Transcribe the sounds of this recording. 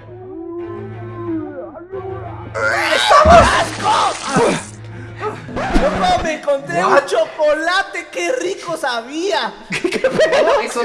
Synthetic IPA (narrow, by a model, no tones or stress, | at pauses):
est̪aβosalkos | onomeŋkont̪ɾet͡ʃokolat̪ekerikosaβia | kkpe